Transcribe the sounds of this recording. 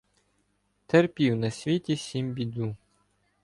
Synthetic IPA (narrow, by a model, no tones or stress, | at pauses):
t̪erpʲiwnɐsʲʋʲit̪ʲisʲimbʲid̪u